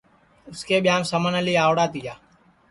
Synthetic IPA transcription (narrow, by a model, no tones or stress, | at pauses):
ʊskeːɓɪjãːmsəmənəliːaːʋɽaːt̪ijaː